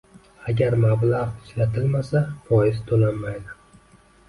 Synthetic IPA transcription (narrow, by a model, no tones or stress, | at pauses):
aɡʲaɾmablˠaʁɪʃlat̪ʰɪlmasafɒjɪzt̪ʰolanmajd̪ɪ